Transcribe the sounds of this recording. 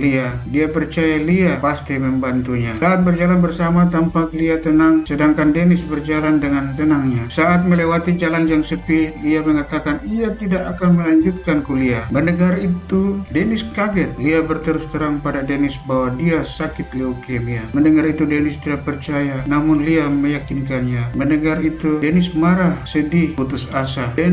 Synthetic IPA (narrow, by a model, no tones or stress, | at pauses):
liadiapərt͡ʃajaliapast̪iməmbant̪uɲasaːt̪̚bərd͡ʒalanbərsamat̪ampak̚liat̪ənaŋsədaŋkandɛnisbərd͡ʒalandəŋant̪ənaŋɲasaʔat̪̚məlɛwat̪id͡ʒaland͡ʒaŋsəpiliaməŋat̪akanijat̪idaʔakanməlaɲd͡ʒut̪̚kankuliaməndəɡarit̪udɛnɪskaɡɛt̪̚liabərt̪əɾust̪əɾaŋpadadɛnɪsbawadiasakɪt̪liukɛmiaməndəŋaɾit̪udɛnɪst̪idapərt͡ʃajanamʊnliaməjakinkanɲamənəɡarit̪udɛnɪsmaɾasədiput̪usasadɛ